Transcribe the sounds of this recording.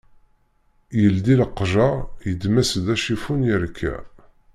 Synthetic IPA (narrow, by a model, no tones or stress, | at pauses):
jəld̪ilqːʒɑjəd̪mæsd̪æʃifunjəɾkʰːæ̰